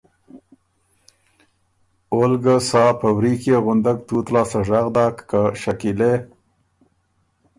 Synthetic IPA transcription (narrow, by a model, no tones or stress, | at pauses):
olɡəsɑpəwɾikjeɣʊnd̪aɡ̚t̪ut̪lɑsaʐaɣd̪ɑkːəʃakile